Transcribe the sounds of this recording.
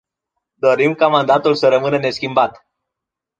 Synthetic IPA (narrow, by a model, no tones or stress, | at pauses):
d̪o̞ɾimkamand̪at̪ulsəɾəmɨnəne̞skʲimbat̪